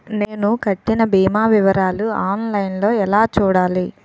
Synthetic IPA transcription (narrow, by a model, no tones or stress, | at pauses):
neːnukɐʈːinɐbiːmaːʋiʋɐɾaːluaːnlɐjnlo̞ːɛlaːt͡ʃuːɽaːli